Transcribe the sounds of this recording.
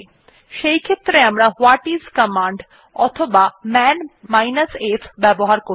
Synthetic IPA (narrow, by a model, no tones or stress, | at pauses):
ʃejkʰet̪ːɾeamɾahwaʈizkəmaɳɖ | ɔ̰t̪ʰobamɛnmajnəsefʰbɛboɦaɾko